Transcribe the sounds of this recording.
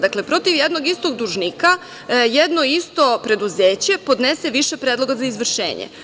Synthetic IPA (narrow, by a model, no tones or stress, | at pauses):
d̪akle̞pɾo̞t̪iʋjed̪noɡist̪o̞ɡ̚d̪uʒnika | jed̪noist̪o̞pɾe̞d̪uzeːt͡ɕe̞po̞d̪neseʋiʃe̞pɾed̪lo̞ɡazaizʋr̩ʃḛːɲḛ